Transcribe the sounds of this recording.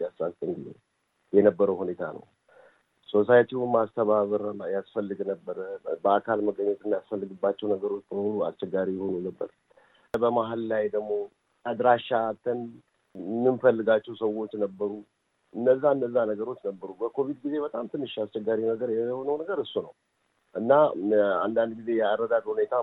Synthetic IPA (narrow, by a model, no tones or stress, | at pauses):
iasːast̪ʼɨŋɡɨzḛ | jɛnəbːəɾəwhune̞t̪ʰa̰nə̰w | so̞sajt̪ʰiwumast̪ʰəβaβɨɾəjasfəlːɨɡnəbːəɾəbəakʰalməɡəɲːot̪ɨnːajasfəlːɨɡɨbːat͡ʃːɛwnəɡəɾo̞t͡ʃːbəməmulua̰st͡ʃːɛɡːaɾijɛho̞nunəbːə̰ɾ | bəmaɦalːajd̪əɡmo̞ | ad̪ɾaʃat̪ʰːən | nːɨnfəlːɨɡat͡ʃːɛwsəwo̞t͡ʃːnəbːəɾu | ʔɨnːəzːaɨnːəzːanəɡəɾo̞t͡ʃːnəbːəɾubəkʰo̞vid̪ɡize̞bət̪ʼamt̪ʰɨnːɨʃːast͡ʃɛɡːaɾinəɡəɾjɛhonəwnəɡəɾɨsːunəw | ʔɨnːaa̰nd̪and̪ɡize̞jɛarːəd̪ad̪hune̞t̪ʰa